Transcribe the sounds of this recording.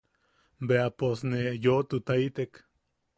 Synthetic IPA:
beaposnejot̪ut̪ait̪ek

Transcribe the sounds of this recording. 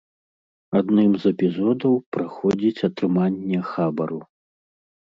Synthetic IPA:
ad̪nɨmzɛpʲizɔd̪ɐwpɾaxɔd͡zʲit͡sʲɐt̪ɾɨmanʲːɛxabɐɾu

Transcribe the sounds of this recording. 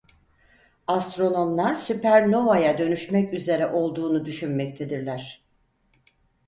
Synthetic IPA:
ast̪ɾo̞no̞mlˠaɾsypʰæɾno̞vajad̪ø̞nyʃmɛcyze̞ɾɛʔo̞lˠd̪uːnud̪yʃynmɛct̪ʰed̪iɾlʲæɾ̥

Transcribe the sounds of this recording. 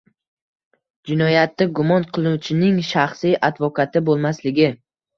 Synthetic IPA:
d͡ʒɪnɒjat̪ːaɡʊmɒnqʰɨlˠɪnut͡ʃʰɪnɪŋʃaχsijʔad̪vɒkʰat̪ɪbolˠmaslɪɡʲɪ

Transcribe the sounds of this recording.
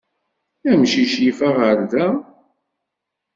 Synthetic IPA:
æmʃiʃjifæʁəɾðæ

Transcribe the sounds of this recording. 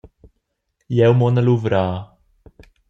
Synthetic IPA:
jɛwmɔnəluvɾaː

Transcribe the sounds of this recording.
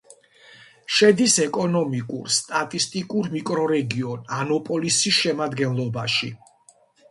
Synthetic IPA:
ʃɛd̪isɛkʼɔnɔmikʼṵɾst̪ʼat̪ʼist̪ʼikʼuɾmikʼɾɔɾɛɡiɔnanɔpʼɔlisisʃɛmad̪ɡɛnlˠɔbaʃi

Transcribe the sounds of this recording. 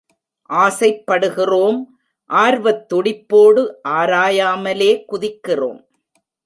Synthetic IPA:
ʔaːsɐɪpːɐɽɯɣɪroːm | ʔaːɾʋɐt̪ːɔɽɪpːoːɽɯʔaːɾaːjaːmɐleːkʊðɪkːɪro̰ːm

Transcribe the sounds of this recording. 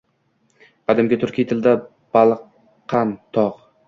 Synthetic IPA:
qʰɑd̪ɪmɡʲɪt̪ʰʊɾkʲijt̪ʰɪld̪a | b̥ɑlˠqʰː | ɑnt̪ʰɒq

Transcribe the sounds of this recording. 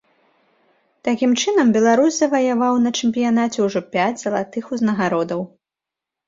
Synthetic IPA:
t̪akʲimt͡ʂɨnɐmbʲɛlˠaɾusʲzɐvɐjavawnɐt͡ʂɛmʲpʲijanat͡sʲɛwʐɔpʲad͡zʲzɐlˠat̪ɨxuznɐɣaɾɔd̪ɐw

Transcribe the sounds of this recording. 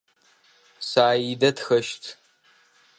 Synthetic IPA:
saːjidɐtxɐʃtʰ

